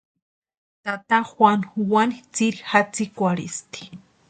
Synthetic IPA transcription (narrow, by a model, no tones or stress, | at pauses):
t̪at̪axwanwanit͡siɾixat͡sikʷaɾist̪i̥